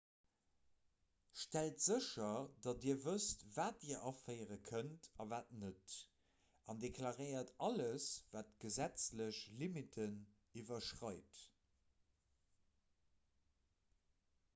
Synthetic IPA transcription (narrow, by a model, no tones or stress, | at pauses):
ʃtæltz̥əʃɐdɑtiːɐvəstvaːtiːɐʔɑfəɪʁəkʰəntɑvaːtnət | ɑndekʰlɑʁəɪɐtɑləsv̥aːtɡ̥əzæt͡sləɕlimitʰən | ivɐʃʁɑɪt